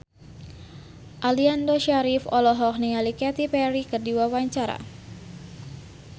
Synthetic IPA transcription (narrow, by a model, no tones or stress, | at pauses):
ʔaliandoʃaɾifɔlɔɦɔk̚niŋalikɛt̪ipɛɾikɨrdiwawaɲt͡ʃaɾa̰